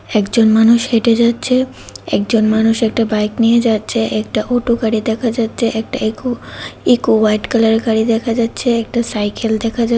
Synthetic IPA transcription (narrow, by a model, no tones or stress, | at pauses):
ɛkd͡ʑonmanuʃeʈed͡ʑatːɕʰe | ɛ̰k̚d͡ʑonmanuʃɛk̚ʈabajknijed͡ʑatːɕʰeʔɛkʈaʔoʈoɡaɽid̪ɛkʰad͡ʑatːɕʰeʔɛk̚ʈaekuikuwajʈkalaɾeɡaɽid̪ɛkʰad͡ʑatːɕʰeɛk̚ʈasajkeld̪ɛkʰad͡ʑa